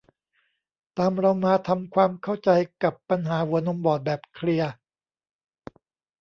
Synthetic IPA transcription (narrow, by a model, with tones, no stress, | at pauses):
t̪aː˧mɾa˧wmaː˧t̪ʰa˧mkʰwaː˧mkʰa˥˩wt͡ɕa˧jka˨˩pːa˧nɦaː˩˦wu˩˦no˧mbɔː˨˩t̪̚bɛː˨˩p̚kʰli˧ɐ